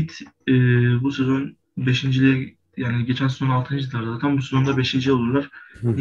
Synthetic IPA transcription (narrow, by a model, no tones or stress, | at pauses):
it̪ɛːbusezo̞n | beʃind͡ʒilʲɛ | jaːniɟe̞t͡ʃʰænsezo̞nalˠt̪ʰɯnd͡ʒid̪ʰaɾd̪ad̪ak̪ʰanbusezo̞nd̪abe̞ʃind͡ʒilʲolˠuɾlˠaɾ̥